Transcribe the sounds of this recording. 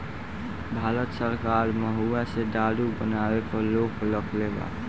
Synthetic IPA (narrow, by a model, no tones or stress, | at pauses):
bʱaːlət̪səɾkaːɾməɦuased̪aɽubənawepəɾloːkləkʰleːɡa̰